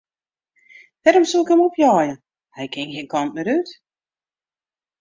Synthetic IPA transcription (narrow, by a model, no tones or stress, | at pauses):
dɛɾɔmsulˠɪkhɛmɔpjɔːjə | hɛjkʰɪŋxeːnkʰɑnt̚mɛɾyt